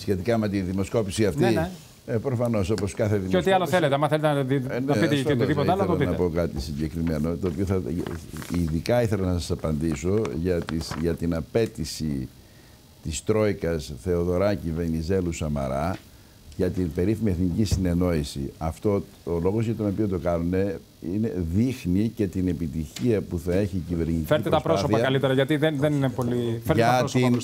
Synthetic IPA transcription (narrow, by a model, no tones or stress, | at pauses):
sçe̞t̪ikɐme̞t̪iðimo̞sko̞pisiɐft̪i | epɾo̞fɐno̞so̞po̞skɐθeðimot̪iɐloθelet̪eɐmɐθelet̪enneit̪ioðipoteɐloɐeloɐinɐpo̞kɐt̪isiɲɟe̞kɾime̞not̪o̞ːpioθɐ | iðikɐiθe̞lɐnɐsɐsɐpɐnd̪iso̞ʝɐt̪isʝɐt̪inɐpe̞t̪isi | t̪ist̪ɾo̞ikɐsθe̞o̞ðo̞ɾɐcive̞nize̞lusɐmɐ̰ɾɐ | ʝɐt̪inbe̞ɾiθimieθnicisine̞no̞isḭɐft̪o̞ | olo̞ɣozʝɐt̪o̞no̞piot̪o̞kɐnune̞ | ine̞ðixnice̞t̪ine̞pit̪içiɐpuθɐe̞çicive̞ɾnit̪ifeip̪t̪eɾt̪ɐspɾosoθpɐɐkɐlit̪eɾɐʝɐt̪iðenðeninepo̞lifeɾtʝeɐɾosin